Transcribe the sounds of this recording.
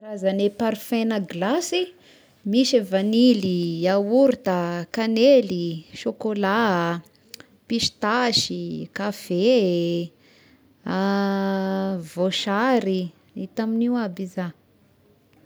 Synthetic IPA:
razanepaɾifenəɡlasi | miʃevaniliauɾit̪əkaneliʃokola | piʃi̥t̪aʃikafe | a | voʃaɾi | it̪aminiwabiza

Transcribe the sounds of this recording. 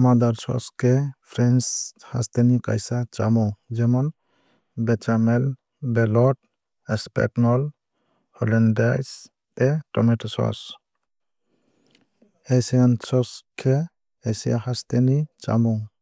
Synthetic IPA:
mad̪aɾsɔ̰skʰɛpʰɾɛnsha̰st̪enika̰jsat͡ʃamɔd͡ʒɛmɔn | bɛt͡ʃamɛl | bɛlɔt̚ | ɛspɛ̰knɔl | hɔlɛndajs | ɛtɔmɛtɔsɔ̰s | esiansɔskʰe | esija̰hast̪enit͡ʃa̰mɔ

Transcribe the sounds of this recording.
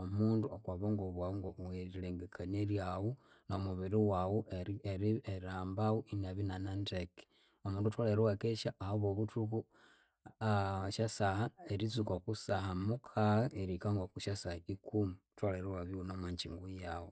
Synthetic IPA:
omuːnduokwaβoŋɡoβwawuŋɡoweɾileːŋɡekʰaneɾjawu | nomuβiɾiwawoeɾieaːmbawuʔinaβinananteki̥ | omuːnduotwaleɾiwakeʃaʔːhoβoβutuku | aʃasahaeɾizukokusahamukʰaeɾikaŋɡokuʃasahikumutwaleɾewaβiunomaɲt͡ʃiŋɡujawo

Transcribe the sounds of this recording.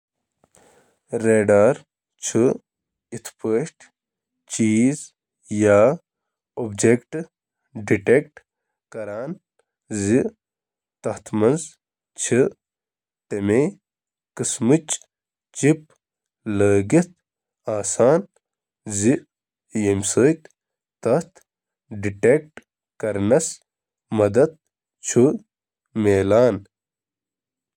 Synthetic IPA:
ɾeːɖaːɾ | t͡ʃʰɨ | it̪ʰpəːʂʈ | t͡ʃiːz | jaː | obd͡ʒekʈ | ɖiʈek̚ʈ | kɐɾaːn | zi | t̪ɐht̪ʰmɐnz | t͡ʃʰi | t̪eme | kɨsmɨt͡ʃ | t͡ʃip̚ | ləːɡit̪ | aːsaːn | zi | jemsəːt̪ | t̪ɐt̪ | ɖiʈek̚ʈ | kɐɾnɐs | mɐd̪ɐt̪̚ | t͡ʃʰu | meːlaːn

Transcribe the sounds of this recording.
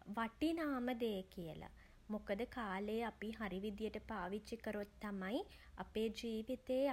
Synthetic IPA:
ʋɐʈinaːməd̪eːkijə̰la̰ | mukəd̪əkaːleːɐpiɦɐɾiʋid̪jəʈəpaːʋit͡ʃikəɾot̪ːɐmai | ɐ̰peːd͡ʒiːʋit̪eː

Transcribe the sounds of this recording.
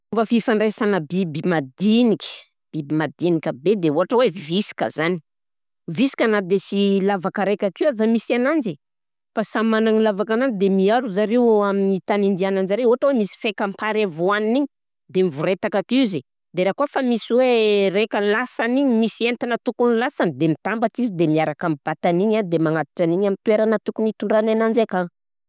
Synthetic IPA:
bəfifaɳɖ͡ʐesanəbibimad̪inikʲə̥ | b̥ibimad̪inikʲəbed̪euɦaʈ͡ʂəwevisi̥kə̰zani̥ | visi̥kanad̪esilavakəɾekʲakiwazamisianand͡ʒe | fasamanaŋilavakanand͡zid̪emiaɾuzaɾewaminit̪anind̪ianand͡ʒaɾeuɦaʈ͡ʂəwemisi̥fekampaɾavoaniniɲi | d̪emivuɾet̪akakize | d̪eɾakuafamisiwerekəlasaniɲimisient̪anat̪ukunilasand̪emit̪ambaʈ͡ʂizid̪emiaɾakamib̥at̪aniɲad̪emaŋat̪i̥ʈ͡ʂaniɲamint̪weɾanat̪ukunit̪uɳɖ͡ʐananand͡ʒeka

